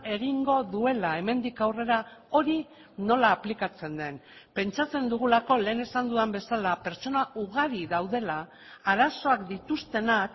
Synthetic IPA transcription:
e̞ɣ̞iŋɡo̞ðue̞lae̞me̞nd̪ikawre̞ɾao̞ɾi | no̞laːplikat͡se̞nd̪e̞npe̞nt͡ʃat͡se̞nd̪uɣ̞ulako̞le̞ːne̞sand̪uambe̞salape̞ɾt͡ʃo̞naʔuɣ̞aɾiðawðe̞laː | ɾaso̞akd̪it̪ust̪e̞nak

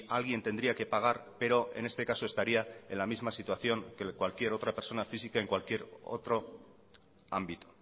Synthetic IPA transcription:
alɣ̞ie̞nt̪e̞nd̪ɾiake̞paɣ̞aɾpe̞ɾo̞e̞̰ne̞st̪e̞kaso̞est̪aɾiae̞nlamizmasit̪uaθjo̞ŋkekwalkie̞ɾo̞t̪ɾape̞ɾso̞nafisikae̞ŋkwalkje̞ɾo̰t̪ɾo̞ | a̰mbit̪o̥

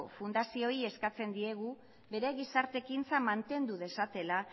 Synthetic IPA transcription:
o̰fund̪asio̞ie̞skat͡se̞nd̪ie̞ɣ̞u | be̞ɾe̞ɣisaɾt̪e̞kint͡samant̪e̞nd̪uðe̞sat̪e̞la

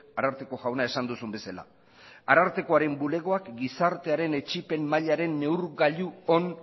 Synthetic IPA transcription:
aɾaɾt̪eko̞ɣawnae̞sand̪usumbe̞sala̰ | aɾaɾt̪e̞ko̞aɾe̞mbule̞ɣ̞o̞akɡisaɾt̪e̞aɾe̞ne̞t͡ʃipe̞mːaʎaɾe̞nːe̞wɾɣaʎuon

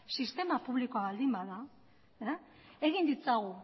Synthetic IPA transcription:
sist̪e̞mapuβlikoaβald̪imbaða | eɣind̪it͡saɣu

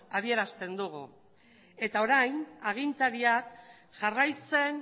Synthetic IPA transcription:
aβie̞ɾast̪e̞nd̪uɣ̞u | e̞t̪ao̞ɾajnaɣ̞int̪aɾiak | ʝarajt͡se̞n

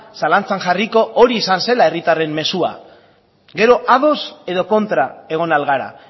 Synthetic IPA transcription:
salant͡saŋʝariko̞ʔoɾiːsanse̞lae̞rit̪are̞mːe̞sua̰ | ɡe̞ɾo̞ʔaðo̞se̞ðo̞ko̞nt̪ɾae̞ɣ̞o̞nalɣaɾa̰

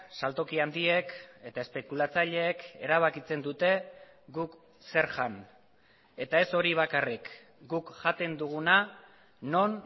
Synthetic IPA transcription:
salt̪o̞kiand̪ie̞ke̞t̪aespe̞kulat͡saʎe̞ːke̞ɾaβakit͡se̞nd̪ut̪e̞ | ɡuk | se̞ɾʝan | e̞t̪ae̞so̞ɾiβ̞akarik | ɡukʝat̪e̞nd̪uɣ̞una | no̞n

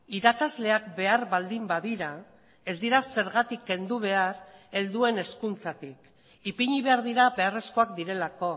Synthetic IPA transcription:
iɾakazle̞akbe̞aɾβald̪imbaðiɾa | e̞zd̪iɾase̞ɾɣat̪ikːe̞nd̪uβ̞e̞aɾe̞ld̪ue̞ne̞skunt͡sat̪ik | ipiɲiβe̞aɾð̞iɾabe̞are̞sko̞akd̪iɾe̞lako̞

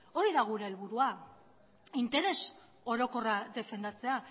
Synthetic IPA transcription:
o̞ɾiðaɣ̞uɾe̞ːlβuɾua | int̪e̞ɾe̞s | o̞ɾo̞ko̞raðe̞fe̞nd̪at͡se̞a

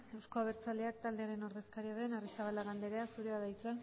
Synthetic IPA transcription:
awsko̞aβ̞e̞ɾt͡sald̪eak̚t̪ald̪e̞aɾe̞no̞ɾðe̞skaɾiaðe̞narisaβalaɣand̪e̞ɾeasuɾeaðajt͡sa

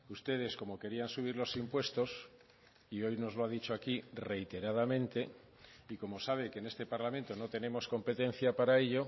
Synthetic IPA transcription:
ust̪e̞ð̞e̞sko̞mo̞ke̞ɾiansuβ̞iɾlo̞simpwe̞st̪o̞s | io̞jno̞zloaðit͡ʃoakire̞jt̪e̞ɾaðamẽ̞nt̪e̞ | iko̞mo̞saβ̞e̞kenest̪e̞paɾlamẽ̞nt̪o̞no̞t̪e̞ne̞mo̞sko̞mpe̞t̪e̞n̟θjapaɾae̞ʎo̞

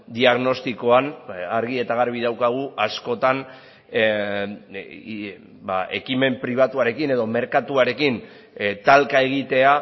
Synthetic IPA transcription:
d̪iaɣno̞st̪iko̞anaɾɣie̞t̪aɣ̞aɾβ̞iðawkaɣ̞uʔasko̞t̪an | baʔe̞kime̞mpɾiβ̞at̪uaɾe̞kine̞ðo̞me̞ɾkat̪uaɾe̞kin | t̪alkae̞ɣ̞it̪e̞a

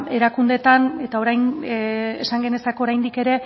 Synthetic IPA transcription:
e̞ɾakund̪e̞t̪ane̞t̪ao̞ɾajn | esaŋɡe̞ne̞sako̞oɾajnd̪ike̞ɾe̞

